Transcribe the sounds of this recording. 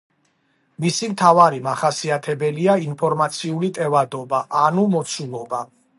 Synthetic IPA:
misimt̪ʰavaɾimaχasiat̪ʰɛbɛliainpʰɔɾmat̪sʰiulit̪ʼɛvad̪ɔbaʔanumɔt̪sʰulˠɔba

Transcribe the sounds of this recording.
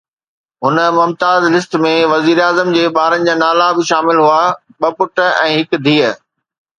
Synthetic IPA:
ɦʊnə̆mʊmt̪aːzlɪst̪mẽʋɐziːɾaːzəmd͡ʑeːɓaːɾənɪ̆d͡ʑaːnaːlabɪʃaːmɪlɦuaɓɐpʊʈ̆ɛ̰̃ːɦɪkd̪ʱiːə

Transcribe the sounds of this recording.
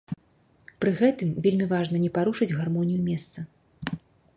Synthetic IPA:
pɾɨɣɛt̪ɨmvʲelʲmʲivaʐnɐnʲɛpaɾuʂɨd͡zʲɣarmɔnʲijumʲɛst̪sɐ

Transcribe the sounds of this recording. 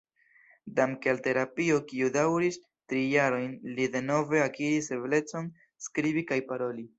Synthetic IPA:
damkealte̞ɾapiokiudawɾis | tɾijaɾo̞jnlide̞no̞ve̞akiɾise̞ble̞t͡so̞n | skɾibikajpaɾo̞li

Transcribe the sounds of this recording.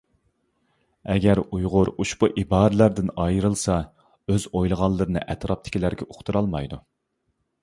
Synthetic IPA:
ɛɡʲɛɾujʁʊɾuʃbuʔibɑːɾɨlæɾd̪ɪnɑjɾɨlˠsɑ | øzojlˠəʁɑlˠːɨɾɨnɨ̰ʔɛt̪ɾɑp̚t̪ʰɪ̥kʲilæɾɡʲɛʔoχt̪ʰɨɾɑlˠmɑjd̪u

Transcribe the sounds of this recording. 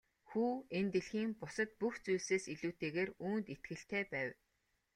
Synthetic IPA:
xuːent̪ĕɮxiːŋpʊsə̆t̪̚puxt͡sujɮseːsiɮuːt̪ʰeːɣeːruːnt̪it̪̚ɡɘ̆ɬt̪æːpæːw

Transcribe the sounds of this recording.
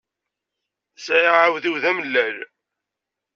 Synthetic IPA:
sæjʁʕawðiwðæməlːæl

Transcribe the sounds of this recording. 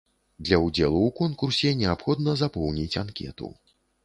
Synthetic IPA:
d̪lʲɐud͡zʲɛlˠuwkɔnkursʲɛnʲɛapxɔd̪̚nɐzapɔwnʲit͡sʲankʲɛ̰t̪ṵ

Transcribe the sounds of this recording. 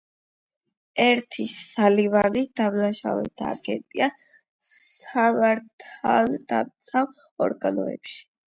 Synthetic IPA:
ɛɾt̪ʰiːalivalid̪̥avlaʃa̰vɛ̰d̪ʰaa̰ːɡɛnt̪ʼia | savaɾt̪ʰald̪a̰mt̪sʰav | ɔɾɡanɔɛ̰pʃi̥

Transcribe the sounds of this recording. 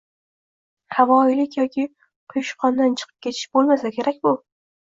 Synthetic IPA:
havɒɪlɪkʲjɒkʲɪ | qʰʊjʊʃqʰɒnd̪ant͡ʃʰɨ̥qʰɨp̚kʲʰe̞t̪ʰɪ̥ʃb̥olˠmasakʲʰe̞ɾak̚ʲbʊ

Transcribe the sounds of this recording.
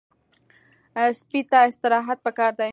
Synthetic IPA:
spit̪ɑɪst̪ɪɾɑɦat̪̚pəkɑɾd̪a

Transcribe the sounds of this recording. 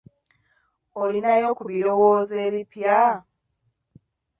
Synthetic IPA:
olinajo̞kuβiɾo̞woːze̞ːβipja

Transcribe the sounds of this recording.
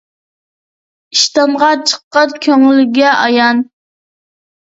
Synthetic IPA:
iʃt̪ɑmʁɑt͡ʃʰə̥qːɑnkʲʰøŋlɪɡʲɛʔɑjɑn

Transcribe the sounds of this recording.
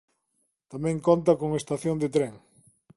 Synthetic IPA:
t̪amɛ̃ŋkont̪̬ɐkoŋest̪aθjond̪et̪ɾɛŋ

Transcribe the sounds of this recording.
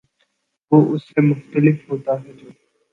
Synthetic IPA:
ʋoːʔʊsːemʊxt̪əlɪfɦoːt̪aɦɛd͡ʒoː

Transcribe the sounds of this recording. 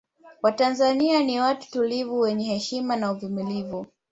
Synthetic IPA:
watanzanianiwatu̥tulivuwɛɲɛhɛʃimanauvumilivu

